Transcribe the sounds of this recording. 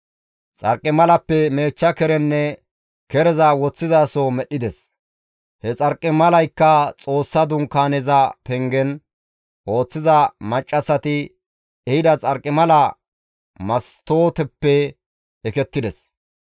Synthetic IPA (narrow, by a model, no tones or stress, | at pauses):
t͡sʼɐ̰ɾkʼːɪmɐlɐpːɛme̞ːt͡ʃːɐkɛɾɛnːɛ | kɛɾɛzɐwɔt͡sːɪzaːsɔmɛɗɪd̪ɛs | hɛt͡sʼɐɾkʼːɪmɐlɐjkːɐt͡sʼo̞ːsːɐd̪ʊŋkːaːnɛzɐpɛŋɡɛn | ʔo̞ːt͡sːɪzɐmɐt͡ʃʼːɐsɐt̪ɪ | ɛhɪd̪ɐt͡sʼɐɾkʼːɪmɐlɐ | mɐst̪oːt̪ɛpːɛ | ɛkɛt̪ːɪd̪ɛs